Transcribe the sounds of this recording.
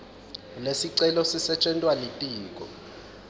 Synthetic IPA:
lesiǀɛlɔsisɛt͡ʃʼɛntʼwalitʼiːk̬ʼɔ

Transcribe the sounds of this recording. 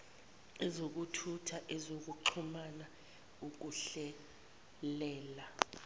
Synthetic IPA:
ɛzok̬utʰutʰaʔɛzok̬uǃʰumana | uk̬uɬɛ | lɛːla

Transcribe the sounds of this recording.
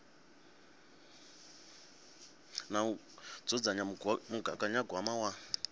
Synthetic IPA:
na | d͡zɔd͡zaɲamuɡakʼaɲaɡwamawa

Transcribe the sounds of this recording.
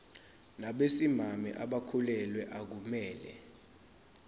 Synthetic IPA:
naɓesimamḭʔaɓakʰulɛlwɛʔak̬umɛːlɛ

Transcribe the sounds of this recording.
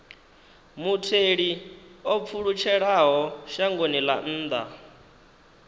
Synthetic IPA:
mutʰeɺiop̪fʰuɺut͡ʃʰɛɺaɦɔʃaŋɡonila̰n̩ːd̪a

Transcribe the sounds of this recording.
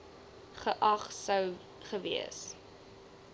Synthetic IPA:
χəʔɐχsəw | χəvḭə̰s

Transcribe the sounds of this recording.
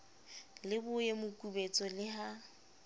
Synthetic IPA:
lɪbʊjemʊkʼubet͡sʼɔlɪɦa

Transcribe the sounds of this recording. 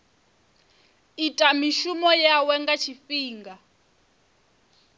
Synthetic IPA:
itʼamiʃumɔjawɛŋɡat͡ʃʰifiːŋɡa

